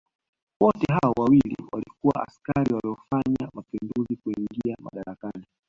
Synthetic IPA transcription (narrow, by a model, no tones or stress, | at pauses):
wɔtɛɦaɔwawilḭwalikuwa̰ʔa̰skaɾiwaliɔfaɲamapinduzikuiŋɡiama̰ɗaɾakani